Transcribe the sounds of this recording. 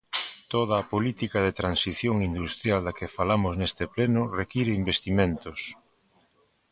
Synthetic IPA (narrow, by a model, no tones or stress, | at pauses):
t̪oð̞aːpolit̪ikaðet̪ɾansiθjoŋind̪ust̪ɾjald̪ɐkefalamʊznest̪eplenʊrekiɾeimbest̪imẽnt̪os